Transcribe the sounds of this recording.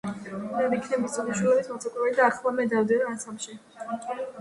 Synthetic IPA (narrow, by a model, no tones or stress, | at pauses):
d̪aɾikʰnɛbɔtt̪ʼiniʃwilɛbit̪ʰmat̪sʰakʼuɾɛlid̪aːχlˠamɛd̪avd̪ɛnaansamʃi